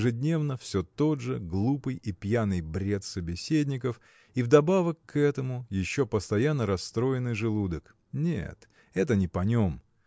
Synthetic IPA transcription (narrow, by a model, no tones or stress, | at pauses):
ɪʐɨdʲnʲe̞vnəfsʲot̪o̞d̪ʐɨɡlˠupɨjipjanɨjbɾʲe̞t̪səbʲɪsʲedʲnʲɪkəf | ivd̪ɐbavəkːɛt̪əmʊjɪɕːopəst̪ɐjanːəɾɐst̪ɾo̞ɪnɨjʐɨlˠud̪ək | nʲḛt̪ | ɛt̪̬ənʲɪpɐnʲom